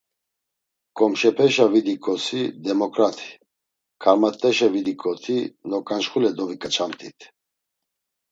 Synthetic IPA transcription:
kʼɔmʃɛpʰɛʃavid̪ikʼɔsid̪ɛmɔkʼɾat̪ʰi̥ | kʰaɾmat̪ʼːɛʃɛvid̪ikʼɔt̪ʰinɔkʼanʃχulɛd̪ɔvikʼat͡ʃʰamt̪ʼit̪ʰ

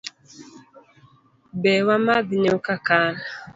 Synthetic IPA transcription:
bɛwamaðineukakaːna

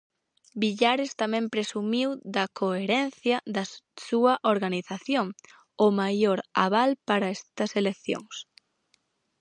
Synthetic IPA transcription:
biʎaɾɪst̪amɛ̃mpɾesumiwd̪ɐkoeɾɛnθjɐðɐsuɐʔoɾɣaniθaθjoŋ | ʊmajoɾa̰βalpaɾɐɛst̪ɐselekθjo̰ŋs

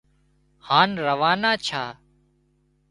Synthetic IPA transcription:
haːnɾəʋaːnaːt͡ʃʰaː

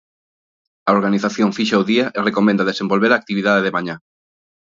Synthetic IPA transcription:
aoɾɣaniθaθjõɱfiʃaoðiaʔerekomẽnd̪aðesembolβeɾaːk̚t̪iβ̞iðaðeðemaɲa

